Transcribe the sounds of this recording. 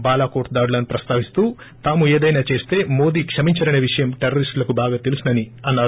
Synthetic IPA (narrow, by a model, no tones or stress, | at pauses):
baːlaːko̞ːɾʈd̪aːɽulɐnupɾɐst̪aːʋist̪uː | t̪aːmueːd̪ɐjnaːt͡ʃe̞ːst̪e̞ːmo̞ːd̪iːkʂɐmiɲt͡ʃɐɾɐneːʋiʂɐjɐmʈeɾɐɾisʈlɐkubaːɡaːt̪elusinɐniɐnːaːɾu